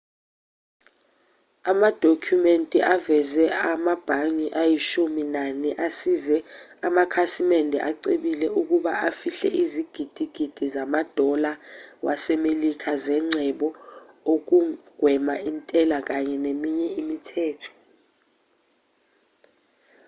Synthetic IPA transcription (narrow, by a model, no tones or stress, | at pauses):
amad̥ʱokʰjumentʼiʔavɛzɛamab̥ʱaŋiʔajiʃuminaniʔasizɛamakʰasimɛndʱɛ̰ʔaǀiɓilɛuk̬uɓaʔafiɬɛ̰ʔiziɡ̥ʱid̥ʱiɡ̥ʱid̥ʱizamad̥ʱɔlawa̰sɛmelikʰazɛŋ͡ǀʱɛɓɔ | ok̬uɡ̥ʱwɛmaintʼɛlak̬aɲɛnemiɲɛimitʰɛːtʰɔ̥